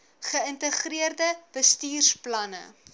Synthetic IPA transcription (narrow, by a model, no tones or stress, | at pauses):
χəəntəχriərdəb̥əstiːrsplɐnə̰